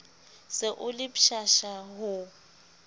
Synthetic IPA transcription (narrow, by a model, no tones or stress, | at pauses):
sɪʔʊlɪpʃaʃaɦʊ